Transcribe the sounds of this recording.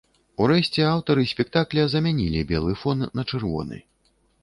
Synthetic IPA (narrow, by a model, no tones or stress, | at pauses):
uɾɛɕʲt͡sʲɛawt̪ɐɾɨsʲpʲɛkt̪aklʲɛzɐmʲanʲilʲibʲɛlˠɨfɔnːɐt͡ʂɨrvɔ̰nɨ̰